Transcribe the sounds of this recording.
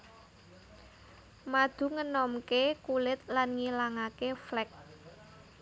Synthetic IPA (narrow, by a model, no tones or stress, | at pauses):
mad̪̥ṳŋənɔmkekulɪt̪̚lanŋilaŋakeflɛk̚